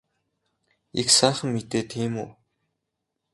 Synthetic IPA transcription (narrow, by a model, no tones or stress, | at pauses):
ḭksaːχə̆mːit̪eːt̪ʰeːmuː